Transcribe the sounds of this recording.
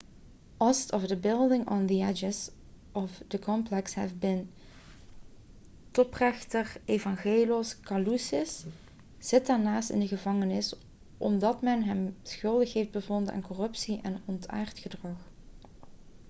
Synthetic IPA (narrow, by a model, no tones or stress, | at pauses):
ɔstɔvdəbɪlˠdɪŋɔnðiɛd͡ʒɪz | ʔɔfdəkʰɔmplɛkshɛ̰vbɪn | tɔprɛxtəɹevɑŋɣeːloskɑlusɪs | z̥ɪt̚daːɹnaːstɪ̰ndəɣəvɑŋənɪs | ʔɔmdɑtmɛnɦɛmsxɵlˠdəxɦefd̚bəvɔndəa̰ːnkɔrɵpsiʔɛ̰nɔnta̰ːɹtxədrɑx